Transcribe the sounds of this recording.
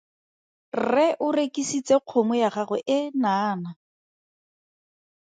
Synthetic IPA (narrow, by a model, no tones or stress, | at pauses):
rɛʔʊrekisit͡seq͡χʰomʊjaχaχʊʔɪnaːna